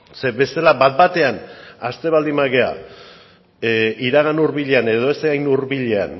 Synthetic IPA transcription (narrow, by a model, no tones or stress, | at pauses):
se̞βe̞st̪elabat̪̚bat̪e̞anast̪e̞βald̪imaɣe̞a̰ | ʔiɾaɣ̞anuɾβiʎe̞ane̞ð̞o̞eseɣajnuɾβiʎe̞a̰n